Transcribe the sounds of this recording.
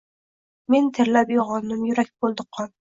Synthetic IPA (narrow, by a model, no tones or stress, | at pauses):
ment̪ʰɪɾlæpjoʁɑnːɨmjyɾɛk̚ʲb̥olˠd̪əqʰːɑn